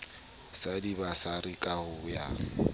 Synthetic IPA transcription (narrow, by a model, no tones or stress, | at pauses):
sadibasaɾikʼahʊja